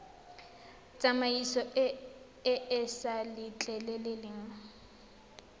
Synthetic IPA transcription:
t͡sʼamaisɔʔ | ɪʔɪsalɪt͡ɬʼɛlɛlelɪŋ̩

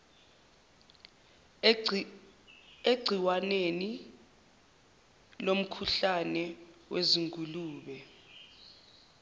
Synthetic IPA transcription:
eɡ͡ǀʱiwaneni | lom̩kʰuɬanɛweziŋkʼuluːɓɛ

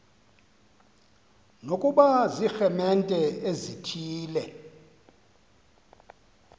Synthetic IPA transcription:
nokʼuɓazixɛmɛntʼɛezitʰiːlɛ

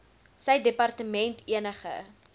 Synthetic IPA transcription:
səjdepɑrtəmɛntʰiənəχə̰

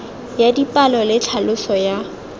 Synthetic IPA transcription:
jadipʼalɔlɪt͡ɬʰalʊsɔja

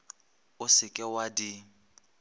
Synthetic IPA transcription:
ʊsɪkʼɛwadi

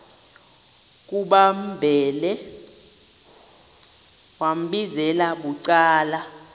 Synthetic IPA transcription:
k̬ʼuɓam̩bʱɛːlɛ | wam̩ɓizɛlaɓuǀaːla

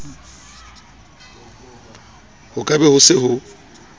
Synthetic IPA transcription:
hʊkʼabɛhʊsɪhʊ

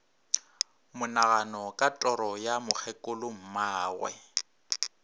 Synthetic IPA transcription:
mʊnaɣanɔkʼatʼɔɾɔjamʊk͡xʰɛkʼʊlʊm̩maːɣwɛ̰

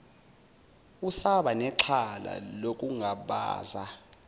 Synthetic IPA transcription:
usaɓanɛǃʰala̰lokʼuŋʱaɓa̰ːza

